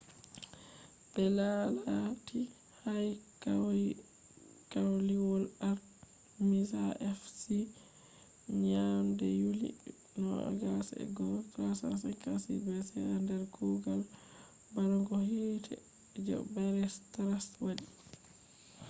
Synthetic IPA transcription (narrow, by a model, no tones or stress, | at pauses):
bɛlalati | hajk | kawliwɔlaɾ | mizaɛfsi | ɲamdɛjulḭ | nɔa̰ɡasɛ̰ɡɔtasa̰sɛkasḭbɛsɛandɛɾɡuɡal | baɾɔŋɡɔhitʰɛ̰ | d͡ʒɔ̰baɾɛstaɾaswadi